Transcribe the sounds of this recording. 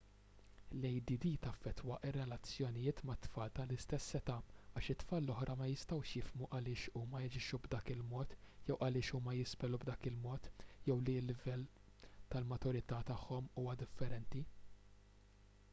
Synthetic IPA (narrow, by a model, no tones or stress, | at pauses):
lɛjd̪id̪iːt̪ɐfːɛt̪ːwɐʔɪrːɛlɐt͡sjɔnɪjɪːt̪mɐt̪ːfɐːlt̪ɐlɪst̪ɛsːɛt̪ɐːɐːʃɪt̪ːfɐːlːɔħɾʔɐmɐjɪst̪ɐwʃjɪfmuʔɐlɪːʃuːmɐjɐd͡ʒɪʃːubd̪ɐːkɪlmɔːt̪jɛwʔɐlɪːʃuːmɐjɪspɛlubd̪ɐːkɪlmɔːt̪jɛwlilːɪvɛl | t̪ɐlmɐt̪ʊɾɪt̪ɐt̪ɐħːɔmuːmɐd̪ɪfːɛɾɛnt̪i